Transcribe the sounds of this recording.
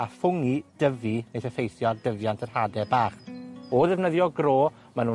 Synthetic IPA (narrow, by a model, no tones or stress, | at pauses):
afʊŋid̥əvinejθəfejθjɔdəvjantʰarhadɛbaːχɔðɛvnəðjɔɡroː | manu